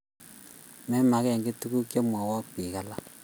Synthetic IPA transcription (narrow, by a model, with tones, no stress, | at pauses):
mɛ˦ma˨kɛ˦˨ŋɡe˦tu˦ku˦kja˦mwa˨wa˦ki˨ka˦la˦